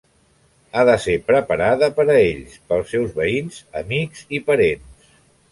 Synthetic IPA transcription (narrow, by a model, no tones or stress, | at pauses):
aðəsepɾəpəɾaðəpəɾəeʎspəlˠsːɛwzβəinzəmikzipəɾens